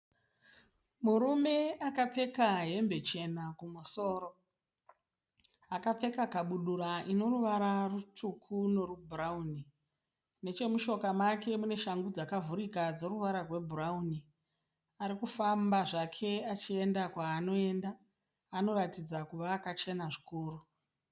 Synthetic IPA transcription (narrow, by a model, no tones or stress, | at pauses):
muɾume̞akap͡fe̞kaɦe̞mbe̞t͡ʃe̞nakumuso̞ːɾo̞ | akate̞kakaɓuɗuɾaʔino̞ruʋaɾarutʰukʰuno̞rubʱurauni | ne̞t͡ʃe̞muʃo̞kamake̞mune̞ʃaŋɡud͡zakavuɾikad͡zo̞ɾuʋaɾarwe̞bʱurauni | aɾikufambaʐakʰe̞at͡ʃiendakwaːno̞e̞ndaː | no̞ɾatid͡zakuʋaːkat͡ʃe̞naʐikuːru